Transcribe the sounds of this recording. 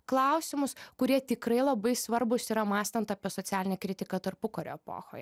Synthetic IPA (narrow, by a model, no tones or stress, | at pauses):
klˠɐˑʊsʲɪmʊskʊɾʲiɛt̪ʲɪkɾɐɪlˠɐbɐɪsʋɐɾbʊsiːɾɐmɑːsʲt̪ɐnt̪ɑːpʲiɛsoːt̪sʲæːlʲɪnʲɛkɾʲɪt̪ʲɪkɐt̪ɐɾpʊkoːɾʲo̰ːɛpo̰ːxo̰ːjɛ